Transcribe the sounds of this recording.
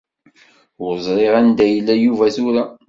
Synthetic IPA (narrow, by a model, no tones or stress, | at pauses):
ʊɾzˤɾˤeʁænd̪æjəlːæjuvæθuɾæ